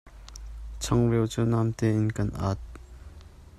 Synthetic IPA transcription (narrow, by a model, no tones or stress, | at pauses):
t͡ɕʰaŋrewt͡sənamt̪einkanʔa̰t̪̚